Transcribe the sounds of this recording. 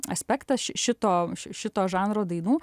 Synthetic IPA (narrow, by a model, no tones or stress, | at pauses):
ɐsʲpʲɛkt̪ɐsʃʲɪʃʲɪt̪oːʃɪʃʲɪt̪oːʒɑːnɾoːd̪ɐɪnuː